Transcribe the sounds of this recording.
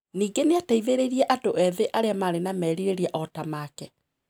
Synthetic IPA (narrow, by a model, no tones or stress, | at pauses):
niːɡeneataiðeɾeɾiɛʔatoʔɛðeʔaɾeamaːɾenamɛːɾiɾeɾiɛʔɔtamaːkɛ